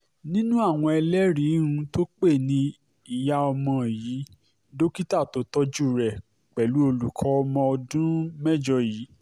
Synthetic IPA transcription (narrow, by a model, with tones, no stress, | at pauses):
nĩ˦nũ˦a˦˨w̃ɔ̃˧ɛ˧lɛ˦ɾĩ˨˦ũ˧to˦k͡pe˦˨nĩ˧ | i˨ja˧ɔ˧mɔ̃˧˨jiː˨˦ | do˦ki˦ta˦˨to˨˦tɔ˦d͡ʒu˦˨ɾɛ˨ | k͡pɛ˨lu˨˦o˧lu˨kʰɔ˨˦˧mɔ̃˧ɔ˧dũ˦mɛ˦d͡ʒɔ˧jiː˨˦